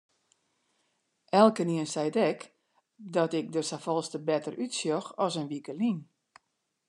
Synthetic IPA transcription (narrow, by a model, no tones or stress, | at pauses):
ʔɛlˠkəniənsɛjtɛk | dɔtɪk̚dəsafɔlˠstəbɛtəɾytsjɔxɔsənʋikəlin